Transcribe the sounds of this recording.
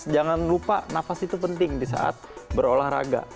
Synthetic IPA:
d͡ʒaŋanlupanafasit̪upənt̪ɪŋdisa̰ʔa̰t̪̚bəɾolahɾa̰ɡa̰

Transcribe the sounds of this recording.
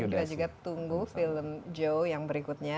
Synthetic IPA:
uad͡ʒuɡat̪uŋɡufiləmd͡ʒowjaŋbəɾikut̪̚ɲa

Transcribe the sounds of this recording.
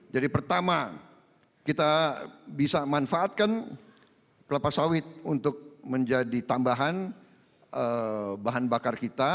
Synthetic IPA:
d͡ʒadipərt̪ama | kit̪abisamanfaːt̪̚kan | kəlapasawɪt̪̚unt̪ʊk̚məɲd͡ʒadit̪ambaɦan | əbaɦanbakarkit̪a

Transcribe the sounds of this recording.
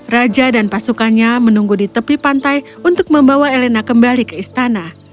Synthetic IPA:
rad͡ʒadanpasukanɲamənuŋɡudit̪əpipant̪ajunt̪ʊk̚məmbawaelenakəmbalikəist̪ana

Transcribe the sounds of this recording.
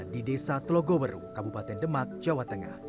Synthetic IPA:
didesat̪əloɡɔwərṵkabupat̪ɛndəmak̚d͡ʒawat̪əŋa̰h

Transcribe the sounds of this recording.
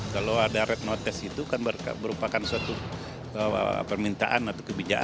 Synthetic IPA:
kaloadaɾɛt̪̚not̪ɛsit̪ukanbərka̰bəɾupakansəat̪u | ə̰pərmint̪a̰ʔanat̪awkəbid͡ʒaʔ

